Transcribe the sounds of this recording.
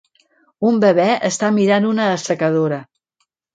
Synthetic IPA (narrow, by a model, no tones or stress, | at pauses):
umbəβɛʔəst̪amiɾanunəːsəkəðoɾə